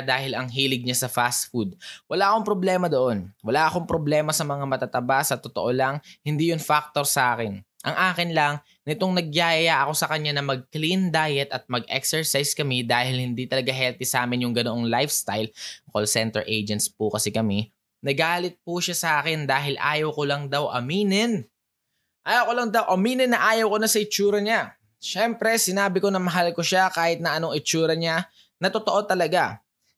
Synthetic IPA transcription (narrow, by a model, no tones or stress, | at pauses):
d̪aːhɪlɐŋɦiːlɪɡ̚ɲasɐfast̪̚fud̪̚wɐlaːʔɐko̞ŋpɾoblɛːmɐd̪oʔo̞nwɐlaːʔɐko̞ŋpɾoblɛːmɐsɐmɐŋamɐt̪at̪ɐbasɐt̪ot̪oʔolɐŋhɪnd̪iːjʊŋfak̚t̪o̞ɾsɐʔaːkɪnʔɐŋʔaːkɪnlɐŋ | nɪt̪o̞ŋnɐɡ̚jaːjɐʔɐko̞sɐkɐɲanɐmɐɡ̚klind̪ajɛt̪ɐt̪̚mɐɡʔɛ̰ksɛɹsajskɐmid̪aːhɪlhɪnd̪it̪ɐlɐɡaɦɛlt̪isaːmɪnjʊŋɡɐnoʔo̞ŋlajfst̪ajlkolsɛnt̪ɛ̰ɹʔejd͡ʒɛnt̪spʊkɐsikɐmi | nɐɡaːlɪt̪̚puʃasɐʔaːkɪnd̪aːɦɪlʔa̰ːjɐwkolɐŋd̪awʔɐ̰miːnɪn | ʔaːjɐwkolɐŋd̪awʔɐmiːnɪnːɐʔaːjɐwkonɐsɐʔɪt͡ʃuːɾɐɲa | ʃɛmpɾɛsɪnaːbɪko̞nɐmɐɦalkoʃakaːhɪt̪̚nɐʔɐnoŋʔɪt͡ʃuːɾɐɲa | nɐt̪ot̪oʔo̞t̪ɐlɐɡa